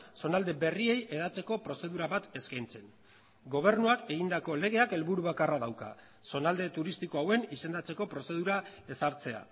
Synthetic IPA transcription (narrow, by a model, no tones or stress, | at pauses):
so̞nald̪e̞be̞rie̞jʔe̞ðat͡se̞ko̞pɾo̞se̞ðuɾaβat̪e̞skajnt͡se̞n | ɡo̞β̞e̞ɾnuake̞ɣind̪ako̞le̞ɣ̞e̞ake̞lβuɾuβakaraðawka̰ | so̞nald̪e̞t̪uɾist̪iko̞awe̞nise̞nd̪at͡se̞ko̞pɾo̞se̞ðuɾae̞saɾt͡se̞a̰